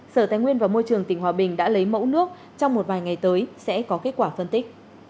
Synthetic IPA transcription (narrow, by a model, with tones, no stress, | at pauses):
səː˧˩t̪aː˨˦jŋwi˧ənvaː˨˩mo˧jt͡ɕɨ˨˩əŋt̪ï˧˩ŋ̟hwaː˨˩ɓï˨˩ŋ̟ɗa̰ː˧˥lə˨˦jmə̰˧˥wnɨ˦˥ək̚ | t͡ɕɔ˧wŋ͡mmo˨˩t̚vaː˨˩jŋa˨˩jt̪əː˨˦jsɛ̰˧˥kɔ˨˦ke˦˥t̚kwaː˧˩fə˧nt̪ï˦˥k̟̚